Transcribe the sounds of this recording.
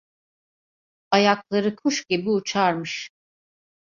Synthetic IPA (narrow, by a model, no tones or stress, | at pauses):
ajaklˠaɾɯkʰuʃɟibiut͡ʃʰaɾmɯʃ